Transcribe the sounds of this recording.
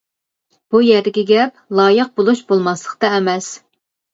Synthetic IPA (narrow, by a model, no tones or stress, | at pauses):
b̥ujɛɾd̪ɪɡʲɛɡʲɛp̚ | lˠɑːjəq̚bolˠuʃbolˠmɑslˠəqt̪ɑɛmɛs